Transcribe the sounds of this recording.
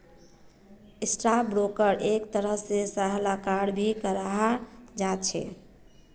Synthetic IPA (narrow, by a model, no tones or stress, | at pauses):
esʈɾabɾokəɾʔekt̪əɾəɦsesaɦlakaɾɽbʱikəɾaɦad͡ʒat͡ʃʰɛ̰